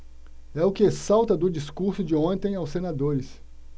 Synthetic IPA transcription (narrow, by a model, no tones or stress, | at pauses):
ɛʊkɪesawt̪ɐd̪ʊd͡ʒiskuɾsʊd͡ʒɪõt̪ẽj̃awsːenad̪oɾɪs